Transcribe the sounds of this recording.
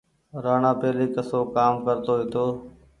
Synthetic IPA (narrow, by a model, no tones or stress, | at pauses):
ɾaːɳãːpeːliːkəsoːkaːmkəɾt̪oːʋɪt̪oː